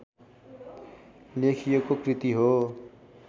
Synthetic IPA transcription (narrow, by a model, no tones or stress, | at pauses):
lekʰijokokrit̪iɦo